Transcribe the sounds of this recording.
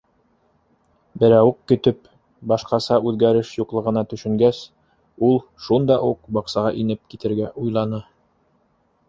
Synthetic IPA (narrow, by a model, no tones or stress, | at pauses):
bɘ̆ɾæwɘkkːɵ̆t̪ɵp | bɑʃqɑsɑʉðɡæɾɘʃjuqlˠɤ̆ʁɤ̆nɑt̪ɵ̆ʃɵ̆ŋɡæs | ulˠʃund̪ɑʔuqbɑqsɑʁɑʔinɘp̚kit̪ɘ̆ɾɡæʔujlˠɑnɤ